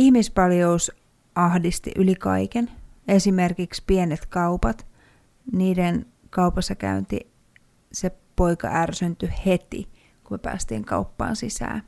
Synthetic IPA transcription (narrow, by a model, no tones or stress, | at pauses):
ihmispɑljous | ʔɑhdist̪ḭʔylikɑ̰ikenesimerkikspienet̪kɑupɑt̪ | niːden | kɑupɑsːɑkæ̰ynt̪ḭ | sepoikɑ̰ʔærsynt̪yhet̪ḭ | kumepæ̰ːst̪ḭːŋkɑ̰upːɑ̰ːnsisæ̰ː